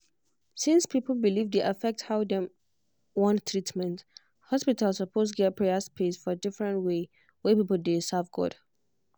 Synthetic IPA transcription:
sĩnspʰipəl̩ˠbilivdeʔafɛk̚thaʊdɛ̃ | wɔ̃ntʰːɹitmɛ̃nt | hɔspitalsəpʰostɡɛt̚pʰɹɛəspʰesfɔdɪfɹə̃ntwe | wɛpipl̩desavɡɔ̰d̥

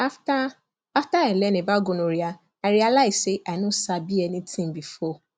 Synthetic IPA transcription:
afta | aftaɛlɛnĩbaɡonoɾia | aɾialaiseʔanũsabiɛnĩtĩmbifɔ

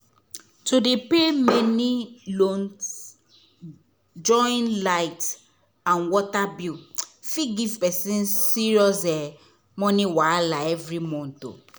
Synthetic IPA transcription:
tudepemɛnilõns | d͡ʒɔ̃nlaɪt | ãnwɔtabjufiɡivpɛsĩnsiɹiɔsɛ | mɔniwalaɛvɾimɔ̃n̩to̰

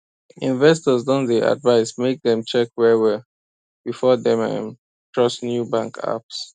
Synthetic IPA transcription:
ĩnvɛstɔzdɔ̃nðəʔa̰dvaɪsmek̚ðɛ̃mt͡ʃɛkwɛwɛ | b̥ifɔðɛ̃mɛ̰m | tʰɹɔsnjubãŋkʰa̰ps

